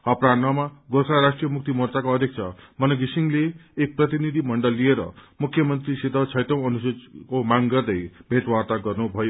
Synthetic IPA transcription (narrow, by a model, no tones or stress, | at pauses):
ʌpɾanʌmaɡosaɾasʈrijʌmuk̚t̪imʌrt͡sakoʌd̪ʱjek̚t͡sʰʌ̰mʌnʌɡisiŋleːk̚prʌt̪inid̪ʱimʌɳɖʌlːieɾʌ̰mukʰːjʌmʌnt̪risid̪ʱʌt͡sʰʌjtʌ̃w̃ʌnuskomaŋɡʌrd̪ʌjbʱeʈwart̪aɡʌrnubʱʌjo